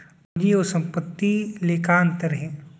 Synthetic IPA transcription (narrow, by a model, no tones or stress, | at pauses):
diosɐ̃mpət̪ːileːkaːnt̪əɾɦɛ̃ː